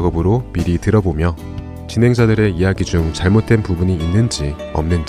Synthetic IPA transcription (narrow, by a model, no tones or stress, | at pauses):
ɡʌbɯɾomiɾitɯɾʌbomjʌ | t͡ɕinɦe̞ŋd͡ʑadɯɾe̞ijaɡid͡ʑuŋt͡ɕaɭmot̚t͈enpubuɲiːnːɯnd͡ʑi | ʌ̰mnɯnd͡ʑ